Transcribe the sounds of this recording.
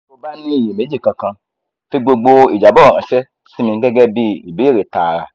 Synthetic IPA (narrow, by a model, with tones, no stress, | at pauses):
o˦ba˦nĩ˦i˦˨ji˨me˨˦d͡ʒi˦˨kã˧kã˧ | fi˦ɡ͡bo˧ɡ͡bo˧i˨d͡ʒa˨bɔ˦˨ã˨ʃɛ˦ | si˦mĩ˧˦ɡɛ˦ɡɛ˦bi˦ḭ˨be˨˦i˦˨ɾe˨ta˨ɾa̰˨